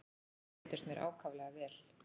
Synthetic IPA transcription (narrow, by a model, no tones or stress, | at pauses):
t̪ɪst̪mjɛɾʔa̰ːwkʰavlɛɣavɛːl̥